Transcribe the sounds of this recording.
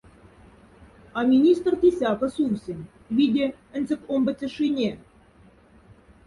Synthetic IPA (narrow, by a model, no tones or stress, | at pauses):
ɑmʲinʲist̪rt̪ʲisʲɑkə̆suwsʲɘ̆nʲ | vʲidʲĕ | ɘ̆nʲzʲɘ̆kombə̆t͡sʲɘ̆ʂinʲe